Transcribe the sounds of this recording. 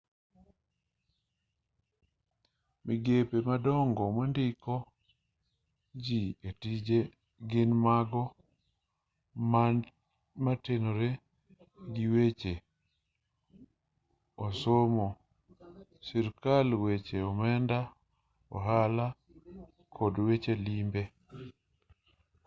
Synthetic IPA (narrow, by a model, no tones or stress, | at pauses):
miɡepemadɔŋɡɔmandɪkɔ | d͡ʒietid͡ʒe | ɡɪnmaɡɔ | ma | matenoɾe | ɡiwet͡ʃe | osomo | siɾkalwet͡ʃeɔmɛnda | ɔ̰ɦala | kʰɔdwet͡ʃelimbe